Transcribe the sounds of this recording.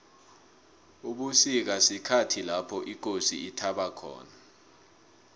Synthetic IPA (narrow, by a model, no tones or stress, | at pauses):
uɓusik̬asikʰatʰilapʰɔʔik̬osiitʰaɓakʰɔ̰ːna